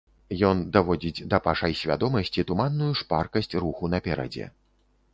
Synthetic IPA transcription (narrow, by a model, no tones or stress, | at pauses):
jɔnd̪avɔd͡zʲit͡sʲd̪ɐpaʂɐjsʲvʲa̰d̪ɔmɐsʲt͡sʲit̪umanːujuʂparkɐsʲt͡sʲruxunɐpʲɛɾɐ̰d͡zʲɛ̰